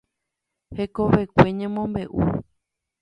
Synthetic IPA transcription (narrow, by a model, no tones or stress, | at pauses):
he̞koʋekʷe̞ɲãmõmbe̞ʔṵ